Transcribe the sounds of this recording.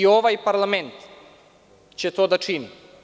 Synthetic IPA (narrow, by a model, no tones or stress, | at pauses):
ioʋajpaɾlˠament̪ | t͡ɕɛt̪od̪at͡ʃini